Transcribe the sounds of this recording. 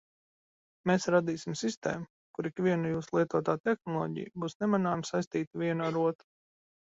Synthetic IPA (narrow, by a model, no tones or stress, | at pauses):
mesɾad̪iːsimsist̪ḛːmu | kuɾikʋiɛnujuːslˠiɛt̪uɔt̪aːt̪ɛxnɔlˠɔ̰ːɟḭjbuːsnɛmanaːmsajst̪iːt̪ivʲiɛnuaɾuɔt̪ɾu